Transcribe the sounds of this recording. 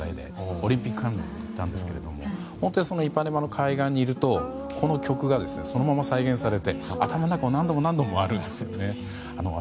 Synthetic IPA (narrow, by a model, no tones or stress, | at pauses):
a̰id̪ḛoɾʲĩmpʲikːɯãnd̪ḭit̪ːã̰nd̪e̞sɨ̥ke̞ɾe̞d̪o̞̰mo̞̰ | hõ̞nt̪oɲʲiso̞noipːanemano̞kʰaiɡãɲ̟ːiːɾɯ̟t̪o̞ | kʰo̞no̞kʲo̞kɯ̟ɡad̪e̞sɨne̞so̞no̞mamasaiɡẽ̞ɰ̃saɾe̞t̪e̞a̰t̪amaonakaonãnd̪o̞mo̞nãnd̪o̞mo̞aɾɯ̟̃nd̪e̞sɨjo̞ne̞ | ano